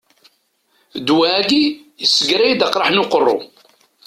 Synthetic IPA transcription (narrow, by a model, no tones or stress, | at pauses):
d̪wæɡi | jəsːəɡɾæjid̪aqɾˤaħnʊqərˤːo̰